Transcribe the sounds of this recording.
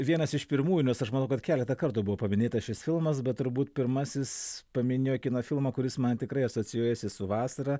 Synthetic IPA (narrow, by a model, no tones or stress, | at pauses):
ʋʲiɛnɐsɪʃpʲɪɾmuːjunʲɛsɐʃmɐnɐʊkɐt̪kʲæːlʲɛt̪ɐkɐɾt̪ʊbʊʋoːpɐmʲɪnʲeːt̪ɐsʃʲɪsfʲɪlˠmɐs̬bʲɛt̪̚t̪ʊɾbuːt̪pʲɪɾmɐsʲɪspɐmʲɪnʲejoːkʲɪnoːfʲɪlˠmɐːkʊɾʲɪsmɐnt̪ʲɪkɾɐɪɐsoːt͡s̪ʲɪjoːjɛsʲɪsʊʋɑːsɐɾɐ